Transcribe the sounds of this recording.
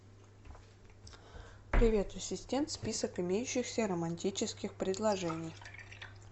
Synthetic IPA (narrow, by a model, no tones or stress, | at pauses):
pɾʲɪvʲe̞t̪ɐsʲɪsʲtʲe̞nt̪spʲisəkɨɪmʲejʉɕːɪxsʲəɾəmɐnʲtʲit͡ɕɪskʲɪxpɾʲɪd̪lˠɐʐɛnʲɪj